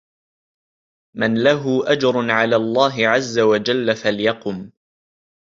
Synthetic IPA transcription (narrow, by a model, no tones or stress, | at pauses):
manlaɦʊʔad͡ʒɾˤʊnʕalaːlˤːaːɦɪʕazːawad͡ʒalːafaljɑqʊm